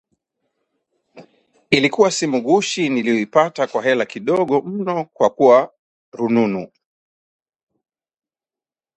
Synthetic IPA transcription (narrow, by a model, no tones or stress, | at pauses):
ilikuwasimuɠuʃinilijɔipatakwaɦɛlakiɗɔɠɔm̩nɔkwakuwa | ɾununu